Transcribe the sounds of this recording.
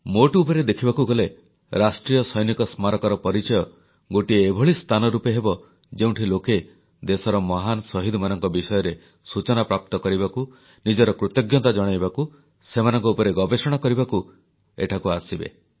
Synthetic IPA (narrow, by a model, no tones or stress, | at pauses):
moʈupɔɾed̪ekʰibakuɡɔle | ɾasʈɾijɔsɔjnikɔsmaɾɔkɔɾɔpɔɾit͡ʃɔjɔ | ɡoʈiːbʱɔɭist̪ʰanɔɾupeɦebɔ | d͡ʒew̃ɳʈʰiloke | d̪esɔɾɔmɔɦanɔsɔɦid̪ʱɔmanɔŋkɔbisɔjɔɾe | sut͡ʃɔnapɾap̚t̪ɔkɔɾibaku | nid͡ʒɔɾɔkɾut̪ɔɡjɔt̪ad͡ʒɔɽ̃ajbaku | semanɔŋkɔupɔɾeɡɔbesɔɽ̃akɔɾibaku | ḛʈʰakuasibḛ